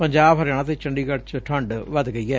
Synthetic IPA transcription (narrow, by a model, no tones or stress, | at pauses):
pəɲd͡ʒaːbɦəɾaːɽ̃aːt̪̬eːt͡ʃəɳɖiːkəɽt͡ʃʈʰəɳɖʋəd̪ɡəiːɛː